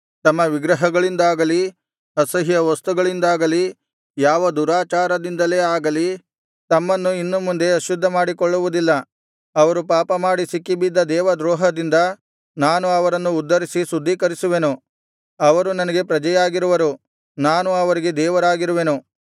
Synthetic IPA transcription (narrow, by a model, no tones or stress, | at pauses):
t̪ɐmːɐʋiɡɾɐɦɐɡɐɭind̪aːɡɐli | ɐsɐɦijɐʋɐst̪uɡɐɭind̪aːɡɐli | jaːʋɐd̪uɾaːt͡ʃaːɾɐd̪ind̪ɐleːaːɡɐli | t̪ɐmːɐnːuinːumːund̪e̞ɐʃud̪ʱːɐmaːɽikɔɭːuʋud̪ilːɐ | ɐʋɐɾupaːpɐmaːɽisikːibid̪ːɐd̪ɛːʋɐd̪ɾɔːɦɐd̪ind̪ɐ | naːnuɐʋɐɾɐnːuːd̪ʱːɐɾisisud̪ʱːiːkɐɾisuʋe̞nu | ɐʋɐɾunɐnɐɡe̞pɾɐd͡ʒɐjaːɡiɾuʋɐɾu | naːnuɐʋɐɾiɡe̞d̪ɛːʋɐɾaːɡiɾuʋe̞nu